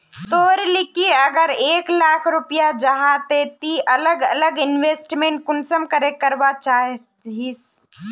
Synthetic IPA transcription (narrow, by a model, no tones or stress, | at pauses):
t̪oːɾlɪkiɐɡəɾeːklaːkʰɾʊpijad͡ʒɐɦat̪et̪iʔɐləɡə̰ləɡɪnʋeːsʈmẽɳʈ̚kʊnsəmkəɾekəɾʋat͡ʃaːɦ | ɦis